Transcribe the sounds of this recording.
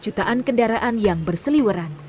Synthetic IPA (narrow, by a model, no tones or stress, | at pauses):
t͡ʃut̪aʔankəndaɾaʔanjaŋbərsəliwəɾan